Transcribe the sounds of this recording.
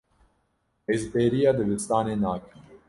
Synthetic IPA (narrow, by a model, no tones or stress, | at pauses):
ezbeːɾijɑːd̪ɨbɨst̪ɑːneːnaːkʰɨ